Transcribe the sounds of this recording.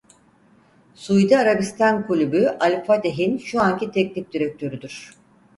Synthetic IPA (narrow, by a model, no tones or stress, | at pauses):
sujd̪aaɾabist̪ʰankʰulʲybyʔalʲfat̪ʰeɦinʃuancit̪ʰɛcnʲipd̪iɾɛk̚t̪ʰø̞ɾyd̪yɾ̝̥